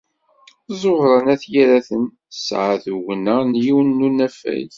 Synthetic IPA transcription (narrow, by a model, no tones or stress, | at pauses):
zˤoʁɾˤɑnæθjiɾæθən | sʕaðuwnænjiwnːunæfæ̰j